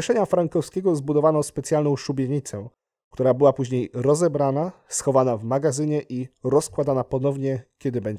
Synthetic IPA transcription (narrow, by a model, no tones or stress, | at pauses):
ɛʂɛɲafɾaŋkɔfskʲeɡɔzbud̪ɔvanɔspɛt̪sʲjalnɔ̃w̃ʂubʲjeɲit̪sɛ | kt̪uɾabɘwapuʑɲejɾɔzɛbɾanasxɔvanavmaɡazɘɲɛʔiɾɔskwad̪anapɔnɔvɲɛkʲɛd̪ɘbɛɲd͡ʑɛ